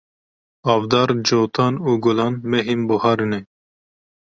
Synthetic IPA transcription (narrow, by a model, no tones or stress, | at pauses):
ɑːvd̪ɑːɾd͡ʒoːt̪ʰɑːnuːɡʊlɑːnmɛɦimbʊhɑːɾɨnɛ